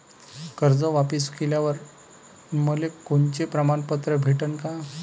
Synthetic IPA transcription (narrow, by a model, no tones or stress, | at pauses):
kəɾd͡zəʋapiskeljaʋəɾ | məlekoɳt͡ɕepɾəmanpət̪ɾəbʱeʈənka